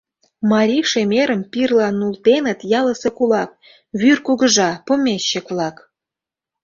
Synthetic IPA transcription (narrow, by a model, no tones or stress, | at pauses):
mɑɾʲiʃemʲeɾə̆mpirlɑnːult̪enə̆t̪jɑlə̆sekulɑk̚ | βyrkuɣəʒɑpomʲeɕːə̆kβlɑk